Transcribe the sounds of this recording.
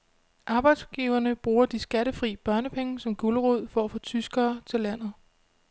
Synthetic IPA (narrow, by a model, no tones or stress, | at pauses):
ʔɑ̈ːb̥ɑ̈ɪd̥sɡ̥iːʊɐnəb̥ʁuːɐd̥isɡ̥æɾəfʁḭːb̥ɶɐnəpʰeŋəsɒ̽mɡ̥uləʁuð̰ˠfɒæfot͡sʰysɡ̥ɐːt͡sʰe̝læn̰ð̞̩ˠ